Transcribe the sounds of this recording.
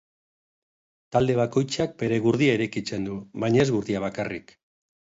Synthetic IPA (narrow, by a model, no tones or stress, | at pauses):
t̪ald̪e̞β̞ako̞jt͡ʃak̚be̞ɾe̞ɣuɾð̞iaeɾejkit͡se̞nd̪uβajɲe̞zɣuɾðiaβ̞akarḭk